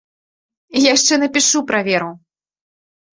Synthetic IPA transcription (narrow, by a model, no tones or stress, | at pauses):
jaʂt͡ʂɛnɐpʲiʂupɾavʲɛɾu